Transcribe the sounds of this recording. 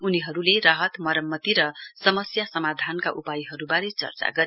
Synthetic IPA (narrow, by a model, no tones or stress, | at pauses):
uniɦʌɾuleraɦʌt̪mʌɾʌmːʌt̪iɾʌsʌmʌsjasʌmad̪ʱankaʔupajiɦʌɾubaɾet͡sʌ̰rt͡sa̰ɡʌɾe